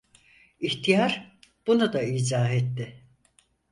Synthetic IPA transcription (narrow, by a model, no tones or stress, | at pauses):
içt̪ʰijaɾb̥unud̪aiːzaːɦet̪ːɪ